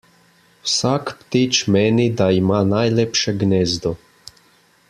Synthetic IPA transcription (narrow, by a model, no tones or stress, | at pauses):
wsakpt̪it͡ʃmeːnid̪aimaːnajlepʃɛɡnɛːzd̪ɔ